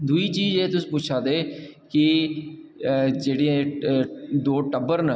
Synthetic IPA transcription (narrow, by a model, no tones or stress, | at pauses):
d̪uiːt͡ʃiːzeːt̪ʊsĩːpuːt͡ʃʰaːd̪eːkɪ | d͡ʒeːɽiã | d̪oːʈəbəɾnə